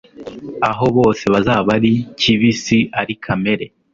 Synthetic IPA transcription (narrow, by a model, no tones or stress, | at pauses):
aɦo̞βo̞ːse̞βazaːβaɾiciβisiaɾikʰame̞ɾe̞